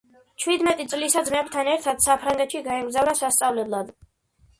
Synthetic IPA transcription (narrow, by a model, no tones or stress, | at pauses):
t͡ʃʰwid̪mɛt̪ʼit̪sʼlisad̪zmɛp̚t̪ʰanɛɾt̪ʰad̪̥sapʰɾaŋɡɛt̪ʃiɡaɛmɡzavɾasast̪sʼavlɛblˠad̪